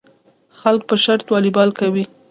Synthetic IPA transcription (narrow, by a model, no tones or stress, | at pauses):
xalk̚pəʃaɾt̪wɑlibɑlkawi